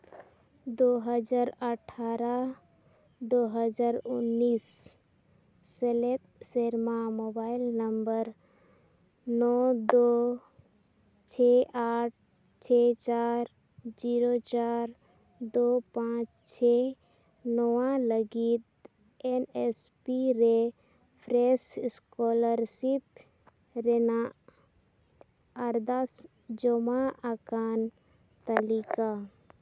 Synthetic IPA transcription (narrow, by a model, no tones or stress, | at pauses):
d̪oɦəd͡ʒaːɾəʈʰːaːɾa | d̪oɦəd͡ʒaːɾunːiːs | selet̪̚seɾmamobaːɪlnəmbəɾ | nɔd̪o | t͡ʃʰeʔaːʈ̚ʰ | t͡ʃʰet͡ʃaːɾ | d͡ʒiːɾot͡ʃaːɾ | d̪opãt͡ʃ | t͡ʃʰɛ | nɔwaləɡit̪̚ | ɛnɛspiɾɛ | pʰɾɛsskɔləɾsip̚ | ɾɛnaʔ | aɾd̪as | d͡ʒɔmaʔakan | t̪əlika